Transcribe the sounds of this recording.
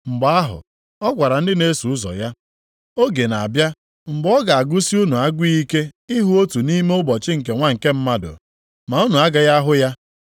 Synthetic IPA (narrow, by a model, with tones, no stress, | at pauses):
ŋ͡m̩˨ɡ͡ba˨a˦ɦʊ̰˨ | ɔ˦kʷa˨ɾa˨n̩˦dɪ˦ne˦su˨ʊ˦zɔ̰˨ja˦ | o˦ɡe˨na˨bja˦ | ŋ͡m̩˨ɡ͡bɔ˦ɡa˨a˨ɡu˦si˦u˦nu˨a˦ɡʷi˦i˦ke˦i˦ɦu˦o˦tu˨ni˦me˦ʊ˦bɔ˨t͡ʃɪ˦ŋ̩˨k̬e˨ŋʷa˦ŋ̩˨ke˦m̩˦ma˦dʊ̰˨ | ma˨u˦nu˨a˦ɡa˦ja˦ɦʊ˦ja˦